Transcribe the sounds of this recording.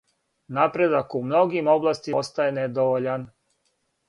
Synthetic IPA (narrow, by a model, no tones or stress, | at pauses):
napɾe̞d̪akumno̞ɡimo̞blˠast̪iost̪ajened̪oʋoʎan